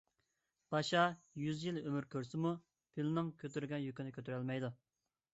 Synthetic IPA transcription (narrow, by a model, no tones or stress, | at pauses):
b̥ɑʃɑjyzjilømyɾkʲʰøɾsɪmu | pʰilnɪŋkʲʰøt̪yɾɡʲɛnjykʲinɪkʲʰøt̪ʰyɾɛlmɛjd̪u